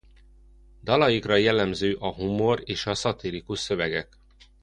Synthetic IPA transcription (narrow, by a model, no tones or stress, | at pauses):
d̪ɒlɒjikrɒjɛlːɛmzøːʔɒɦumo̞reːʃɒsɒt̪iɾikuʃsø̞vɛɡɛk